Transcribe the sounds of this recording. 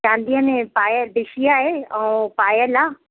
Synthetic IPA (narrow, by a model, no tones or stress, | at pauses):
t͡ʃãːnd̪ijãnẽpaːjəb̪ɪʃijaːɦeɛ̃ũpaːjəlaː